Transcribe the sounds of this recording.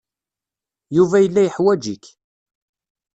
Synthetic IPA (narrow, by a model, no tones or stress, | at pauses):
juvæjəlːæjəħwæd͡ʒik